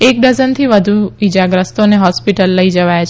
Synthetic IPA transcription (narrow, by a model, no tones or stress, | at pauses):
ek̚ɖəzənt̪ʰiʋəd̪ʱuid͡ʒaɡɾəst̪oneɦɔspiʈəlːəid͡ʒəʋajat͡ʃʰ